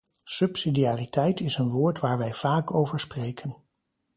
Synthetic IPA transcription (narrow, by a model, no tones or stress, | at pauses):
sɵpsidiaːritɛjtɪsənʋʊːɹtʋaːɹʋɛjv̥aːkʰowvəɹsprejkʰən